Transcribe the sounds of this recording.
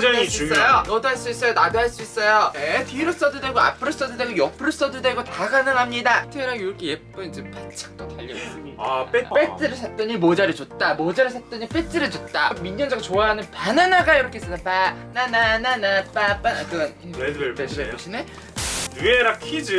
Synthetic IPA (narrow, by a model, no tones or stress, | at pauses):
d͡ʑis͈ʌjonʌdoɦaɭs͈uis͈ʌjonadoɦaɭs͈uis͈ʌjojetiɾos͈ʌdudeɡoa̰pʰɯɾos͈ʌdudeɡojʌpʰɯɾos͈ʌdudeɡotaɡanɯŋɦamɲidatʰɯɾaɡjuɾʌkʰejep͈ɯnind͡ʑepat͡ɕʰḁk̚t͈otaʎːʌsɯipep͈et͡ɕ͈ʰɯɾɯɭsʰat̚t͈ʌɲimod͡ʑaɾɯt͡ɕot̚t͈amod͡ʑaɾɯɭsʰat̚t͈ʌɲip͈et͈ɯɾɯɭt͡ɕot̚t͈amiɲːʌnd͡ʑaɡat͡ɕoaɦanɯnpananaɡajiɾʌkʰeis͈ʌtapananananap͈ap͈anakɯɡnieɕɕʰine | nueɾakʰid͡ʑɯ